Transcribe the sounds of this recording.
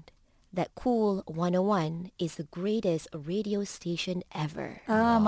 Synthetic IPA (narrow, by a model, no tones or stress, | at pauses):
ðɛt̚kʰulwʌ̃nɔwãnɪzðəɡɹeɾɛstɹeɾiostʰeʃə̃nʔɛvə̰˞m